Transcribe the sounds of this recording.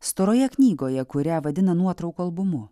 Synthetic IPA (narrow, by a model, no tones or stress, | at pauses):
st̪oːɾoːjɛknʲiːɡoːjɛkʊɾʲæʋɐd̪ʲɪnɐnuɔt̪ɾɐʊkoːɐlˠbʊmʊ